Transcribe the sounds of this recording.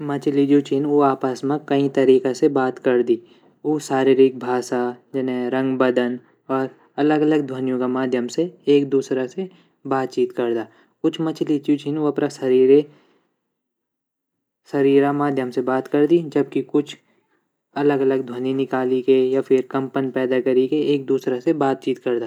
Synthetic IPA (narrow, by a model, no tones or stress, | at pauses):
mɐt͡ʃlid͡ʒoːt͡ʃinoaːpəsmãkɐĩt̪ɐɾiːkasebaːt̪kɐɾd̪iː | oːsaːɾiɾɪk̚bʱaːsad͡ʒɐnɾɐ̃ŋɡbɐd̪ən | ɔːɾ | ɐləɡɐləɡd̪ʱwənjõkamaːd̪ʱjəmseeːk̚d̪uːsɾase | baːt̪̚t͡ʃiːt̪kɐɾd̪aː | kʊt͡ʃʰmɐt͡ʃlit͡ʃut͡ʃʰinoɐpnasɐɾiːɾe | sɐɾiːɾamaːd̪ʱjəmsebaːt̪kɐɾd̪id͡ʒɐb̚kikʊt͡ʃʰ | ɐləɡɐləɡd̪ʱwəninɪkaːlikejafʰɪɾkɐ̃mpənpɛːd̪akɐɾikeeːk̚d̪uːsɾasebaːt̪̚t͡ʃiːt̪kɐɾd̪aː